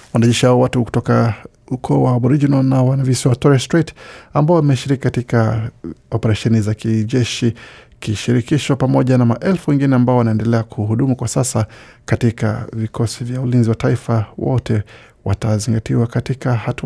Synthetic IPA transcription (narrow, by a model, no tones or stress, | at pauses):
wanaʄɛʃihaɔwatuku̥tɔka | ukʰɔːwabɔɾid͡ʒinalnawanavisiwatɔɾɛstɾitambaɔimɛʃiɾikikatikaɔpɛɾaʃɛnizakiʄɛʃikiʃiɾikiʃɔpamɔʄanamaʔɛlfuwɛŋɡinɛambaɔwanaɛndɛlɛakʰuhuɗumukwasasakatika̰vikʰɔsivjaulinziwataifawɔ̰tɛ | wa̰taziŋɡatiwakatikahatu